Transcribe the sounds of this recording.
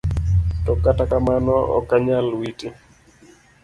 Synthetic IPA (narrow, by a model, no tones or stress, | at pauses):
tɔkatakamanɔɔ̰kːaɲalwiti